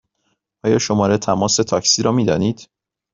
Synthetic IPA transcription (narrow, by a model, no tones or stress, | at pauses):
ʔɒːjɒːʃo̞mɒːɾet̪ʰæmɒːse̞t̪ʰɒcsiːɾɒːmiːd̪ɒːniːd̪̥